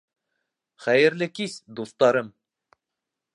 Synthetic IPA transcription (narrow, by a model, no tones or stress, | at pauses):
χæjɘ̆ɾlɘkisd̪ust̪ɑɾɤm